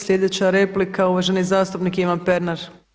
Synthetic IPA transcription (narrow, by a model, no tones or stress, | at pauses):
slʲʎʲed̪e̞t͡ɕaɾeplikauʋaʒenizaːst̪upnikiʋanpeɾnaɾ